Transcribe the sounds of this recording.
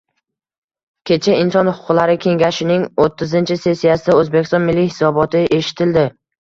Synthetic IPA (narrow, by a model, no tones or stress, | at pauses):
kʲʰe̞t͡ʃʰaɪnsɒnhʊʊ̥qlaɾɪkʲʰe̞ŋɡʲaʃɪnɪŋot̪ʰːɪzɪnt͡ʃʰɪse̞sːijasɪd̪aɵzbekʲɪst̪ɒnmɪlːɪhɪsɒbɒt̪ʰɪʔe̞ʃɪ̥t̪ʰɪld̪ɪ